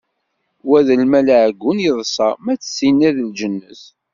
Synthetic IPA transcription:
wæðəlmælʕɡːunjəðˤsˤɑmæt͡sːə̥sinːæðld͡ʒənːəs

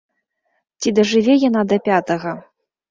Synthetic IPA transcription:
t͡sʲid̪ɐʐɨvʲɛjan̪ad̪ɐpʲat̪ɐɣɐ

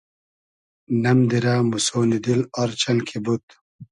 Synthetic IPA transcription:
nɐmd̪iɾaːmusoːnid̪iloɾt͡ɕɐnkʰibut̪

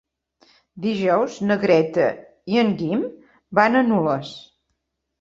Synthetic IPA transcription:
d̪iʒɔwznəɣɾɛt̪ə̰ | iəŋɡim | banənuləs

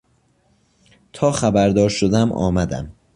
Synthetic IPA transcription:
t̪ʰɒːxæbæɾd̪ɒːɾʃod̪æmʔɒ̰ːmæd̪æ̰m

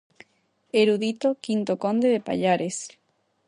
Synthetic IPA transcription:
eɾuðit̪okint̪okõnd̪eðepa̰ʎaɾes

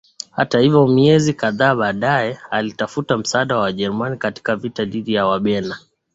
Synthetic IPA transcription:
ha̰tahivɔmiɛzikaðaːɓaːɗaɛalitafutam̩saaːɗawaʄɛɾumanikati̥kavitaɗiɗijawaɓɛna

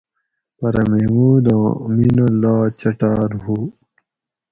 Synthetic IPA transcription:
pɐɾɐmemuːd̪ãːminɐlaːt͡ɕɐʈaːɾɦuː

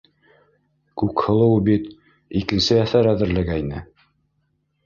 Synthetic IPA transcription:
kʉkhɤ̆lˠɤwbit̪ | ikɘ̆nsɘæθæɾæðɘ̆ɾlɘ̆ɡæinɘ

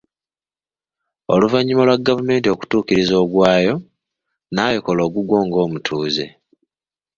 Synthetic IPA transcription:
o̞̰luvaɲːimo̞lwaɡːavume̞ːntio̞ku̥tuːkiɾizo̞ːɡwaːjo̞ | naːjokolo̞ːɡuɡwoːŋɡo̞ːmutʰuːze̞̰

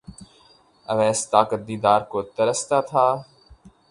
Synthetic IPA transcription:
əʋɛːst̪aːkət̪̚d̪iːd̪aːɾkoːt̪əɾəst̪aːt̪ʰaː

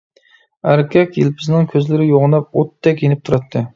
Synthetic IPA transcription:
æɾkʲʰɛkʲjelpʰɪznɪŋkʲʰøzlɪɾɪjoʁnɑp̚ot̪ʰːɛk̬ʲjenɪp̚t̪ʰuɾɑt̪ʰːɨ

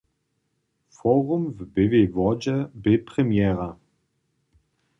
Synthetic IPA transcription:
fɔːʁumvbevevɔd͡ʒəbepʁ̥emjɛːʁa

